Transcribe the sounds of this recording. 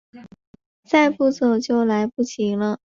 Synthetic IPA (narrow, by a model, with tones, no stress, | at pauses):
t͡sa˥˧ɪpu˥˩t͡so˨˩ʊt͡ɕjo˥˩ʊla˧˥ɪpu˥˩ɕʰi˧˥ŋlə˧